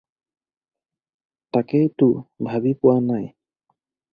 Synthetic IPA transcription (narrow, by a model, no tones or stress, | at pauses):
takejtʊbʱabipʊwanaj